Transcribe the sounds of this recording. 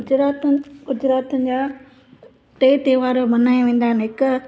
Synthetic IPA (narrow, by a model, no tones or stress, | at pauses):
d͡ʑɾaːt̪ɡʊd͡ʑɾaːt̪ənɪ̆d͡ʑaː | ʈeːt̪eːʋaːɾomɐnaːjʋẽːn̆d̪aːɦɪnɦɪk